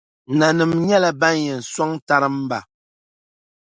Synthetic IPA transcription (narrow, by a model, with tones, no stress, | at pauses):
na˨nɨ˨mɲɛ˦la˨ba˦n˦jɛ˨n̩˨swa˦ŋta˦ɾɨ˦m˦ba˨